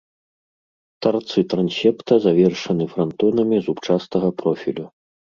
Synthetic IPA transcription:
t̪art̪sɨt̪ɾansʲɛpt̪ɐzavʲɛrʂɐnɨfɾant̪ɔnɐmʲizupt͡ʂast̪ɐɣɐpɾɔfʲḭlʲu

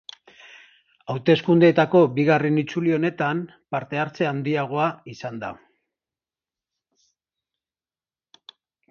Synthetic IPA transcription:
awt̪e̞skund̪eːt̪ako̞biɣarenit͡sulio̞ne̞t̪am | paɾt̪e̞aɾt͡se̞and̪iaɣ̞o̞aisand̪a̰

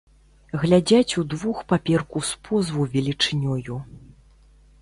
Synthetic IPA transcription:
ɣlʲad͡zʲat͡sʲud̪vuxpapʲɛrkuspʰɔzvuvʲɛlʲit͡ʂɨnʲɔju

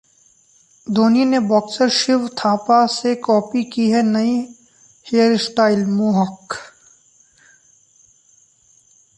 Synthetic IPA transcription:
d̪ʱoːninebɔːksəɾʃɪʋt̪ʰaːpasekɔːpikiɦɛnɐi | hejəɾɪsʈaːɪlmuːɦək

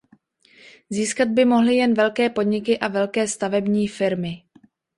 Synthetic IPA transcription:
ziːskad̪̚bɪmo̞ɦlɪjɛnvɛlkɛːpo̞dɲɪkɪʔavɛlkɛːst̪avɛbɲiːfɪɾmɪ

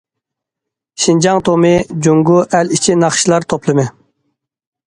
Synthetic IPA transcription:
ʃind͡ʒɑŋt̪ʰomɪd͡ʒuŋɡuʔælit͡ʃʰinɑχʃilˠɑɾt̪ʰoplˠɨmɪ

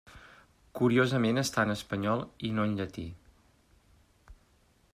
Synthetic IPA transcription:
kuɾiozəmenəst̪anəspəɲɔlˠinoənʎət̪i

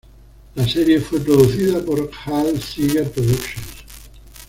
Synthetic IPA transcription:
lasɛɾjefwepɾoðuθiðapoɾhalsiɣeɾpɾoðukʃõns

